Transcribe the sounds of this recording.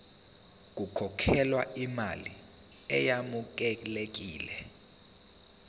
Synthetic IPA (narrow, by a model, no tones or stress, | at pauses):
k̬ukʰɔkʰɛlwaima̰li | ɛ̰jamuk̬ɛlek̬iːlɛ